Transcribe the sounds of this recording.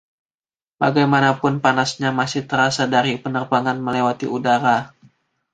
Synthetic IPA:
ba̰ɡajmanapʊnpanasɲamasɪht̪əɾasadaɾipənərbaŋanməlewat̪ḭudaɾa

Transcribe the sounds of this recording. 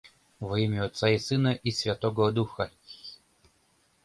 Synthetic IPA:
vimʲeɔt̪saisɨnəʔisʲvʲat̪oɡəd̪uxə

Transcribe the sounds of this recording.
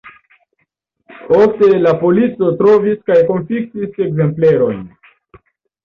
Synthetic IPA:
ofte̞lapo̞lit͡so̞tɾo̞viskajko̞nfik̚tise̞kze̞mple̞ɾo̞̰jn

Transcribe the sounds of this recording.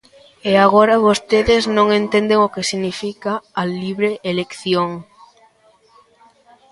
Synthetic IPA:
eaɣoɾaβost̪eðɪznõŋẽnt̪end̪eŋokesiɣnifikaːliβɾeʔelekθjoŋ

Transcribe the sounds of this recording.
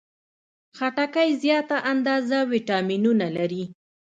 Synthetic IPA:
xaʈakajzjɑt̪aʔand̪ɑzawiʈɑminunalaɾi

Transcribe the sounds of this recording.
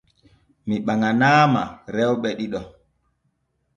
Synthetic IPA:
miɓaŋanaːma̰ɾɛwɓɛɗiɗɔ

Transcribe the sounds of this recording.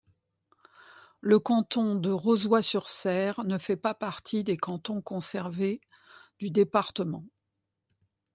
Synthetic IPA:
ləkɑ̃t̪ɔ̃d̪əʁozwasyʁsɛʁnəfɛpapaʁt̪ʰid̪ekɑ̃t̪ɔ̃kɔ̃sɛʁve | d̪yd̪epaʁt̪əmɑ̃

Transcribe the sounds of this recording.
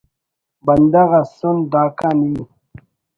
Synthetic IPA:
bɐnd̪aɣasund̪aːkani

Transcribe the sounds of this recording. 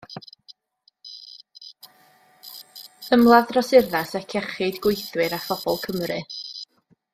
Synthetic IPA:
əmlˠaðrɔsɪrðasɛkʰɛχɨdɡwʊjθwɨɾafɔb̥ɔlˠkʰəmrɨ

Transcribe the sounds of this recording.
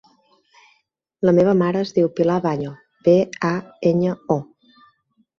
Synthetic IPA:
ləmeβ̞əmaɾəːzðiwpilaβaɲo | beaeɲəo

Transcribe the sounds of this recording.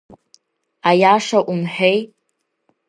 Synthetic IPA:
ajaːʂɐʔʷʊmħᶣej

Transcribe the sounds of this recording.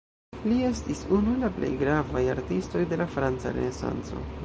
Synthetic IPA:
lie̞stisunulaple̞̰jɡɾavajaɾtisto̞jde̞lafɾant͡sa̰ɾe̞̰ne̞sa̰nt͡so̞̰

